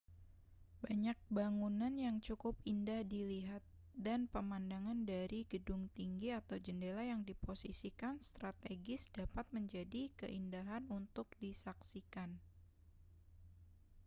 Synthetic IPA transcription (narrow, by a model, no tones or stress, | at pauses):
baɲak̚baŋunanjaŋt͡ʃukʊpindahdiliɦat̪̚ | danpəmandaŋandaɾiɡ̥ədʊŋt̪iŋɡiat̪awd͡ʒəndelajaŋdiposisikanst̪ɾat̪eɡɪsd̥apat̪̚məɲd͡ʒadikə̰ʔindaɦanunt̪ʊk̚disaksikan